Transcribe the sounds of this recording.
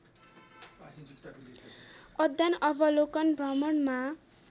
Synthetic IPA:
ʌd̪ːjanʌbʌlokʌnbrʌmʌɳma

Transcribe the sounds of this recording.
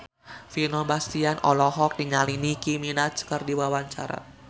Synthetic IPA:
finɔbast̪ianɔlɔɦɔk̚diɲalinikiminat͡ʃkərdiwawaɲt͡ʃa̰ɾa̰

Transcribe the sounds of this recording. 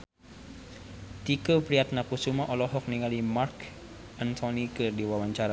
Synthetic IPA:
t̪ikəpɾiat̪̚nakusumaʔɔlɔɦɔk̚niŋalimark | ant̪ʰɔnikɨrdiwawaɲt͡ʃaɾa

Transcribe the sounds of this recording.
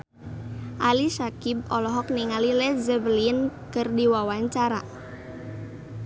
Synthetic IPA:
ʔalisakib̚ɔlɔɦɔk̚niŋalilɛzəbəlinkɨrdiwawaɲt͡ʃaɾa

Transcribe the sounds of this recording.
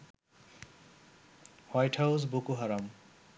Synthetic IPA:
hwajʈʰhawsbokuɦaɾam

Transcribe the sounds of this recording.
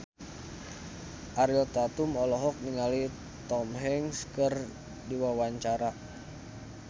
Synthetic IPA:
ʔaɾiɔt̪at̪umɔlɔɦɔk̚niŋali | t̪ɔmɦɛŋskər | diwawaɲt͡ʃaɾa

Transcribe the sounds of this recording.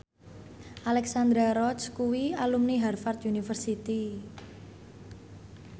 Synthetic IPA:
ʔalɛksand̪ɾaɾɔskuwialumniɦarfart̪ʔunifərsit̪i

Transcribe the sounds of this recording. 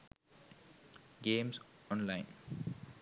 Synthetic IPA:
ɡẽːmsɔ̃nlãɪ̃n

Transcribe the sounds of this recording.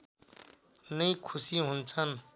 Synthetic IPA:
nəĩkʰusiɦunt͡sʰən

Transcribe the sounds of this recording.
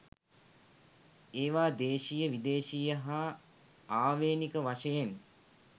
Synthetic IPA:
eːʋaːd̪eːʃijəʋid̪eːʃijəɦa | aːʋeːnikəʋaʂəjen

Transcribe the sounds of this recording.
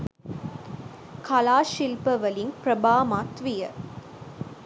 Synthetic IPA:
kɐlaːʃilpəʋɐliŋpɾɐbaːmaːt̪ʋijɐ

